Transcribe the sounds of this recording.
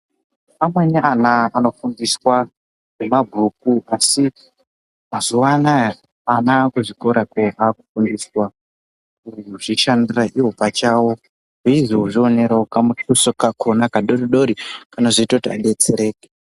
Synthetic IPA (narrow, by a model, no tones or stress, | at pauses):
amweniʔanaːno̞fundiswa | ʐemabʱuk̚uasi | mazuwanaja | anakuʐiko̞ɾakeʔakufundiswa | uruʐiʃandiraʔiwo̞pat͡ʃawo | ɦiʐouʐio̞neɾaokamutusokakʰonakaɗoɾiɗo̞ɾikanaʐiitautia̰ɗe̞t͡seɾe̞ːke